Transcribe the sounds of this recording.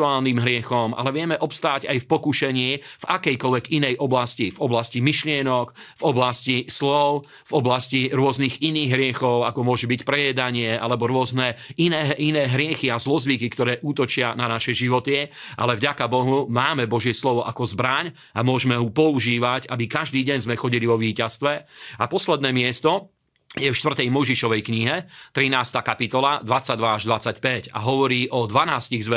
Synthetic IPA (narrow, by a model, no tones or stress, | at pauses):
uaːlniːmɦɾɪɛxɔmʔa̰lɛʋɪɛmɛʔɔpst̪aːɟa̰jfpɔkuʃɛɲɪːvakɛjkɔlʋɛɡinɛjʔɔblascivɔblascimiʃlɪɛnɔk | vɔblascislɔʊ | vɔblasciɾʊɔzniɣiniːɣɦɾɪɛxɔʊakɔmʊɔʒɛbicpɾɛjɛd̪aɲɪɛʔa̰lɛbɔɾʊɔznɛinɛːinɛːɦɾɪɛxiazlɔzʋikikt̪ɔɾɛːʔuːt̪ɔt͡ʃɪananaʃɛʒiʋɔt̪ɪɛʔa̰lɛvɟakabɔɦumaːmɛbɔʒɪɛslɔʋɔʔakɔzbɾaɲ | amʊɔʒmɛɦupɔuʒiːʋacabikaʒd̪iːɟɛɲzmɛxɔɟiliʋɔʋiːcast̪ʋɛapɔslɛd̪nɛːmɪɛst̪ɔ | jɛfʃt̪ʋr̩t̪ɛjmɔjʒiʃɔʋɛjkɲiɦɛt̪ɾinaːst̪aːkapit̪ɔlad̪ʋat͡saɟ̚d̪ʋaaʒd̪ʋat͡sacpɛca̰ɦɔʋɔɾiːʔɔd̪ʋanaːsciɣzʋɛ